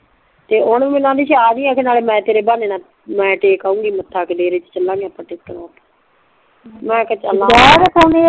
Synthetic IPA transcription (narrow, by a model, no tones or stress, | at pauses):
t̪eːʊɳmɪnãːd̪iːʃaːnĩːaːkʰenaːleːmɛ̃ːt̪eːɾeːbaːneːnãː | mɛ̃ːʈeːkaːũːɡiːmət̪ʰːaːked̪eːɾiːt͡ʃt͡ʃəlːãːŋɡeːəpːãːʈeːkːənãːt̪a | mɛ̃ːkɛt͡ʃəlãataːne